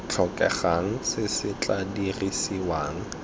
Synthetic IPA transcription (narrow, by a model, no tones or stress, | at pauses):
t͡ɬʰɔkʼɛ̰χaŋ̩sɪsɪt͡ɬʼadirisiwaːŋ̩